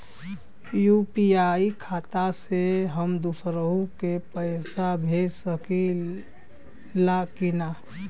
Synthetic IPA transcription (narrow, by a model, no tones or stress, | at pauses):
jupiaikʰat̪aseɦəmd̪usɾəɦukepəɪsabʱesəki | lakina